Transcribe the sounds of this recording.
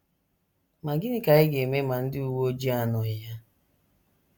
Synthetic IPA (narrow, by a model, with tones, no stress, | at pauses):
ma˨ɡɪ˦nɪ˦ka˨ɪ˦ɡe˨me˦ma˨n̩˦dɪ˦u˦wo˦o˦d͡ʒi˦a˦nʊ˨ɪ˨ja˦